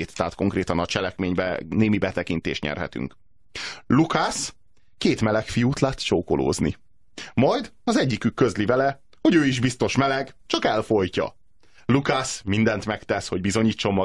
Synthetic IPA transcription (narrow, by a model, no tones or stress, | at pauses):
t̪t̪ːɛat̪ko̞ŋkreːt̪ɒnɒt͡ʃɛlɛkmeːɲbɛ̰neːmibɛt̪ɛkint̪ḛːʃt̪ɲɛ̰rɦɛ̰t̪y̰ŋk | lukas | keːt̪mɛlɛkfijuːt̪laːt̪t͡ʃoːkolo̰ːznḭ | mɒjd̪ɒzɛɟːikykːø̞zlivɛlɛ | ho̞ɟøːiʒbist̪o̞ʃmɛlɛɡt͡ʃɒkɛlfo̞jcɒ̰ | lukasmind̪ɛnt̪mɛkt̪ɛsho̞ɟbizo̞ɲiːt͡ʃːo̞mːɒ